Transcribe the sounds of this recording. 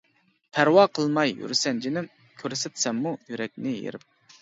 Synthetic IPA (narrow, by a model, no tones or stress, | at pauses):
pʰæɾwɑːqʰəlˠmɑjjy̰ɾsɛnd͡ʒʰinɪm | kʲʰøɾsɛt̪sɛmːujyɾɛk̚ʲnɪjḛɾɪp̚